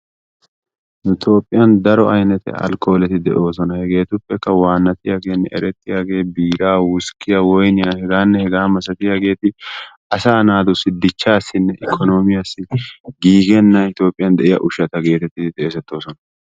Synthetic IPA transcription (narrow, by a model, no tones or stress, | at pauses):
ɪt̪o̞ːpʼːɪjɐnd̪ɐɾɔɐjnɛt̪ɛ̰ɐ̰lko̞ːlɛt̪ɪd̪ɛ̰ʔo̞ːsɔnɐhɛɡe̞ːt̪ʊpːɛkːɐwaːnːɐt̪ɪjaːɡe̞ːnːɛʔɛ̰ɾɛt̪ːɪjaːɡe̞ːbiːɾaːwʊskːɪjawɔjnɪjɐhɛɡaːnːɛhɛɡaːmɐsɐt̪ɪjaːɡe̞ːt̪ɪʔɐsaːnaːd̪ʊsɪd̪ːɪt͡ʃːaːsːɪnːɛʔɪkʰːɔnoːmɪjasːɪɡiːɡɛnːɐɪt̪o̞ːpʼɪjɐnd̪ɛʔɪjɐ̰ʔʊʃɐt̪ɐɡe̞ːt̪ɛt̪ːɪt̪ʼeːsɛt̪ːo̞ːsɔnɐ